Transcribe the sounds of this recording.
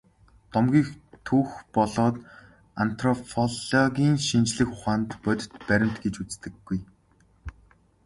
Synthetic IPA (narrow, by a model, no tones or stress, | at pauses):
t̪ɔmɡʲiːxt̪ʰuːxpɔɮɔːt̪ | an̥t̪rɔpʰɔɮɔɡʲiːnʃint͡ɕɮɘ̆xʊχaːnt̪pœt̪ʲɪ̥̆t̪pæɾʲɪ̆m̥t̪ɡet͡ɕut͡st̪ɘ̆ɡːuj